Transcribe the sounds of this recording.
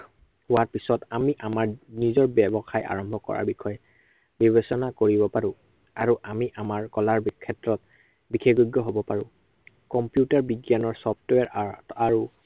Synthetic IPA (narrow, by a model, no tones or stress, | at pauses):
hʊwaɹpisɔtamiʔamaɹnizɔɹbɛbɔxajʔa̰ɹɔmbʱɔkɔ̰ɹa̰ɹbixɔjɛ | bibesɔnakoɹibɔpaɹʊ̃ | aɹuʔamiʔamaɹkɔlaɹbkʰɛtɹɔt̚ | bikʰeɡuɡːɔɦobɔpaɹʊ̃ | kɔmpjutaɹbiɡjanɔɹsɔptwɛɹaɹu